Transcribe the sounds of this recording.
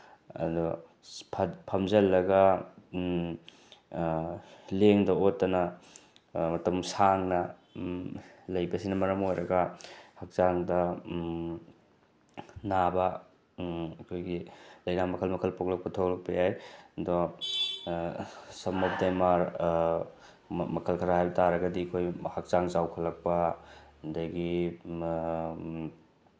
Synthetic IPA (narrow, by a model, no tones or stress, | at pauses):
ɐ̰dɔ | pʰpʰɐmzɐlːɐɡɐ | leŋdɐotːɐnɐ | mɐtɐmsaŋnɐ | lɐjbɐsinɐmɐɾɐmojɾɐɡɐhɐk̚zaŋdɐ | nabɐ | ɐkʰojɡilɐjnamɐkʰɐlmɐkʰɐlpok̚lɐk̚pɐtʰolɐk̚pɐjajdɔ | sɐmɔp̚demaɾ | mɐkʰɐlkʰɐɾaɦajbɐtaɾɐɡɐdikʰojhɐk̚zaŋzawkʰɐlɐk̚pɐndajɡi